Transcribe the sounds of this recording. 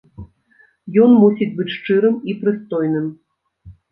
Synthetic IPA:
jɔnmusʲid͡zʲbɨt͡sʲʂt͡ʂɨɾɨmipɾɨst̪ɔjnɨm

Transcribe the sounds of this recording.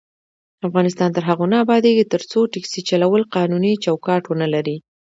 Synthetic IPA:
afɣɑnɪst̪ɑnt̪əɾɦaɣonaabɑd̪eɡit̪əɾt͡soʈɪksit͡ʃalawəlqɑnunit͡ʃawkɑʈwənalaɾi

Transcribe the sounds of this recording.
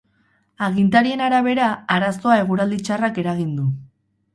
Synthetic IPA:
aɣint̪aɾie̞naɾaβ̞e̞ɾaaɾast̪o̞ae̞ɣ̞uɾald̪it͡ʃarake̞ɾaɣind̪u

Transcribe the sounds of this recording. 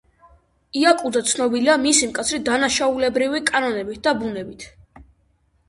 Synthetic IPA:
iakʼud̪at̪sʰnɔbiliamisimkʼat̪sʰɾid̪anaʃaulɛbɾivikʼanɔnɛbit̪̚d̪abunɛbit̪ʰ

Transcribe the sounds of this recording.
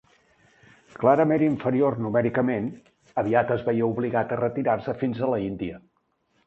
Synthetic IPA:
klaɾəmeniɱfəɾiornumɛɾikəmen | əβiat̪əzβɛiəuβliɣat̪ərət̪iɾarsəfinzələind̪iə

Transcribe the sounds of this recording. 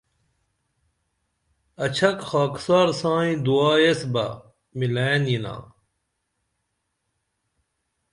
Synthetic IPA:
ɐt͡ɕʰɐkxaːksaːɾsãːĩd̪uaːjesbɐ̰ | milenjinã̰ː

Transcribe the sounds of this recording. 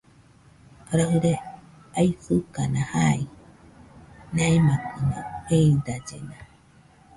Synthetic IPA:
aɾaɦɯɾe | aifɨkanahai | nãemãkɯnõeid̪ad͡ʒḛna

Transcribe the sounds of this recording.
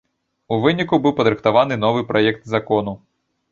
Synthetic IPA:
uʋɪnʲikubɨwpɐd̪ɾɨxt̪aʋanɨn̪ɔʋɨjpɾɔjɛkt̪zɐkɔnʊ

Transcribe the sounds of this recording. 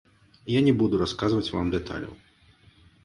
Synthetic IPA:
janʲɛbud̪uɾaskazvɐt͡sʲvamd̪ɛt̪ʰa̰lʲɐ̰w

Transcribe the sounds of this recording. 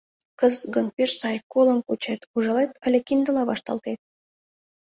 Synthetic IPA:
kə̆zɡɤ̆n̚pʲeʃsɑjkolˠɤ̆mkut͡ɕet̪uʒɤ̆lˠet̪ə̆lʲĕkʲind̪ə̆lˠɑβɑʃt̪ɑ̰lˠt̪et̪̚

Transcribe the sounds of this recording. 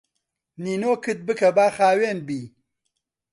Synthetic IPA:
niːnoːkɨt̪̚bɨkʰɐbaːxaːweːnbiː

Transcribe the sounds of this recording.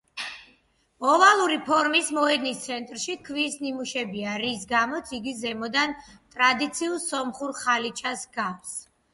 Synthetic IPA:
ɔvalˠuɾipʰɔɾmismɔɛd̪nist̪sʰɛnt̪ʼɾʃikʰviːsnimuʃɛbiaɾis̬ɡamɔt̪sʰiɡizɛmɔd̪ant̪ʼɾad̪it̪sʰiulˠsɔmχuɾχalit͡ʃʰasɡafs

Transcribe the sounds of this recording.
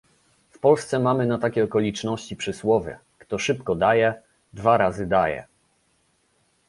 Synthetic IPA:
fpɔlst̪sɛmamɘnat̪akʲɛɔkɔlʲit͡ʂnɔɕt͡ɕipʂɘswɔvʲjɛ̰ | kt̪ɔʂɘpkɔd̪ajɛ | d̪vaɾazɘd̪ajɛ̰

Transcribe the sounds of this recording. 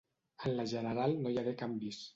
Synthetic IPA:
ənləʒənəɾalˠnojaɾekambis

